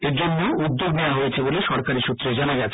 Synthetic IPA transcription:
eɾd͡ʑonːeʔud̪ːoɡnewaɦojet͡ɕʰeboleʃɔɾkaɾiʃut̪ːɾed͡ʑanaɡɛt͡ɕʰ

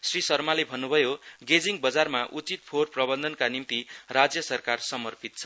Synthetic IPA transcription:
srisʌrmalebʱʌnːubʱʌjoɡed͡ziŋbʌd͡zarmaʔut͡sit̪̚pʰorprʌbʌnd̪ʱʌnkanimt̪irad͡zjʌsʌrkarsʌmʌrpʰit̪̚t͡sʰʌ̥

